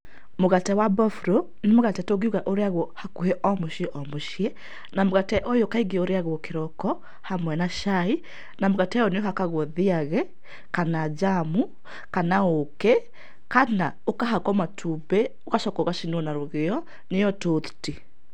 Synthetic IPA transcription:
moɣatɛwabɔfɾɔ | nemoɣatɛtoɡiuɣaʔoɾeaɣɔhakuheʔɔmoʃiɛʔɔmoʃiɛ | namoɣatɛʔojokaiɡeoɾeaɣɔkeɾɔkɔ | hamwɛnaʃai | namoɣatɛɔnejɔɦakaɣwɔðiaɣɛ | kanad͡ʒamu | kanaokɛ | kana | okaɦakɔmatʰubɛ | okaʃɔkɔɣaʃinɔnaɾoɣeɔ | nejɔtoðu̥ti

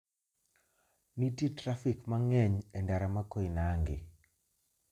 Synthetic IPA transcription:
nititɾafɪkmaŋɛɲɛndaɾamakoɪnaŋɡɪ̰

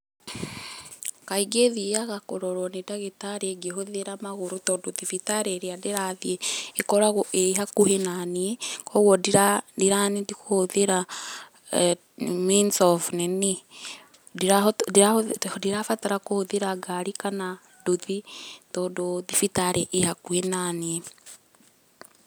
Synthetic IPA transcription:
kaiɡeðiaɣakoɾɔɾwɔnedaɣetaɾeɡeɦoðeɾamaɣoɾotɔdoðifitaɾeɾeadeɾaðieekɔɾaɣoʔeiɦakuhenaniekɔɣwɔdiadiɾanidikohoðeɾa | minsɔfnɛne | iɾadiadiɾafataɾakohoðeɾaɡaɾikana | doðitɔdoðifitaɾɛʔehakuhenaniɛ

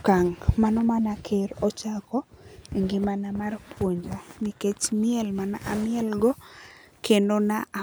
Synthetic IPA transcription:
kaŋmanɔmanakʰeɾɔt͡ʃakɔeŋɡɪmanamarpʰwoɲd͡ʒoniket͡ʃmɪɛlmana̰ʔamɪɛlɡɔkendonaa

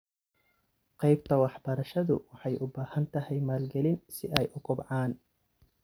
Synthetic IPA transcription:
qɑjb̚t̪ʰɐwɑħbɐɾɐʃɐðʊ̰wɑħɑjʔʊbaːhɐnt̪ʰɐhɛjmaːlɡɛlɪnsɪʔɛjʔʊkʰʊbʕɑːn

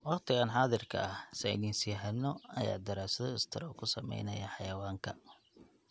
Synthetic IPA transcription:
wɑqt̪ʰɪɣaːnħɑːðɪrkʰɐ̰ɐhsɛɪðiːnsiːħɐnːɔɐja̰ːd̪ɐɾaːsɐðɔɪst̪ʰɪɾɔkʰʊsɐmɛ̰jnɐjɐħɑjɐwaːŋkʰɐ

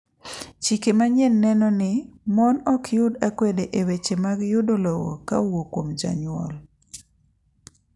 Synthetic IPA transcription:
t͡ʃikemaɲɛnːɛnɔnɪmɔnɔkʰjʊdakwedeʔewet͡ʃemaɡjʊdolɔwɔ̰ka̰wokwomd͡ʒa̰ɲʊɔ̰l

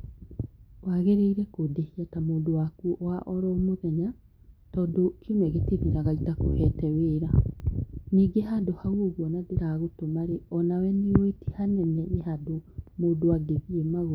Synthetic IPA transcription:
waɣeɾeiɾɛkodehiatamoːndowakuʔwaʔɔɾɔːmoðɛɲa | tɔːdokʰinwɛɣeteðiɾaɣaitako̰hɛtɛweːɾa | niːɡeɦadohawoɣwɔnadeɾaːɣotomaɾeɔnawɛnewetihanɛnɛehadomoːdowaɡeðiemaɣo

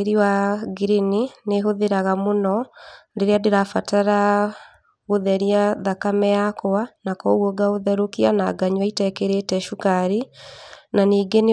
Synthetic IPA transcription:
eɾiwaɡiɾinineɦoðeɾaɣamonɔndeɾeadeɾafataɾa | ɣoðɛɾiaðakamɛakɔanakɔɣwɔɡaoðɛɾokianaɡaɲwaitɛkeɾetɛʃukaɾi | naniːɡene

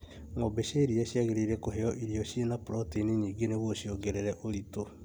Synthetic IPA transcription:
ŋobeʃeɾiaɕiaɣeɾeiɾɛkoɦeɔʔiɾiɔʃienapɾɔteneɲiːŋɡeneβoɕioɡeɾeɾɛʔoɾito

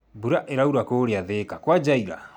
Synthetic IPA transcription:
buɾaʔeɾauɾakoɾeaðekakwad͡ʒaiɾa̰

